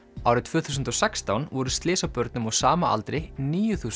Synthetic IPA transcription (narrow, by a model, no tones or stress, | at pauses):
awɾɪt̪vʏːθusʏnt̪ɔsɛkst̪awnvɔɾʏst̪lɪːsawpœɾt̪nʏmɔɣsaːmaa̰lt̪ɾɪniːjʏθuːs